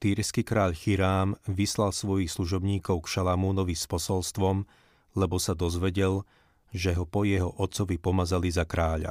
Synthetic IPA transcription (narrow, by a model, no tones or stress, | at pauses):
t̪iːɾskikɾaːʎxiɾaːmʋislalsʋɔjixsluʒɔbɲiːkɔʊkʃalamuːnɔʋispɔsɔlst̪ʋɔm | lɛbɔsad̪ɔzʋɛɟɛl | ʒɛɦɔpɔjɛɦɔʔɔt̪t͡sɔʋipɔmazalizakɾaːʎa̰